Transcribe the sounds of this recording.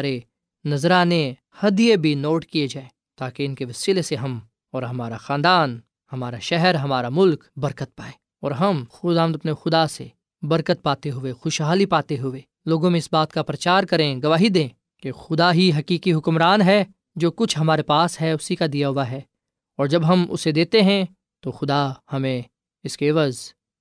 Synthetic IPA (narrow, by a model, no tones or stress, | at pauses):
ɾe | nɐzɾane | hɐd̪ijebʱinoːʈkied͡ʒaːẽː | t̪aːkeɪnkeʋɪsɪleseɦɐm | ɔːɾɦɐmaːɾaxãːnd̪aːn | hɐmaːɾaʃɛɦɛɾɦɐmaːɾamʊlkbɐɾkət̪̚paːẽː | ɔːɾɦɐmxʊd̪aːmd̪ɐpnexʊd̪asḛ | bɐɾkət̪̚paːt̪eɦʊexʊʃɦaːlipaːt̪eɦʊeː | loːɡõmẽɪsbaːt̪kapɾɐt͡ʃaːɾkɐɾẽɡɐʋaːɦid̪ẽː | kexʊd̪aɦiɦɐkiːkiɦʊkmɾaːnɦɛ | d͡ʒoːkʊt͡ʃʰɦɐmaːɾepaːsɦɛʊsikad̪ijaɦʊaɦɛː | ɔːɾd͡ʒɐbɦɐmʔʊ̰sed̪eːt̪eɦɛ̃ | t̪oxʊd̪ahɐmẽ | ɪskeːʋaz